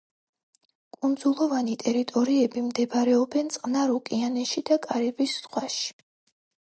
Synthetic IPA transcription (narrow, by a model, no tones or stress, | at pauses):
kʼund̪zulˠɔvanit̪ʼɛɾit̪ʼɔɾiɛbimd̪ɛbaɾɛɔbɛnt̪sʼqʼnaɾukʼianɛʃid̪akʼaɾibisz̥ʁwaʃi̥